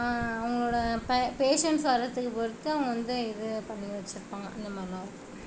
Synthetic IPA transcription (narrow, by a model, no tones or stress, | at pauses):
ɐʋɐŋɡɐɭoːɽɐppeːʂɐɳʈsʋɐɾɐt̪ːɯkːɯpoɾɯt̪ːɯɐɐŋɡɐʋɐnd̪ɯɪðɯpɐɳːɪʋɐt͡ʃːɪɾɯpːaːŋɡɐ̰ɪnd̪ɐmɐlãː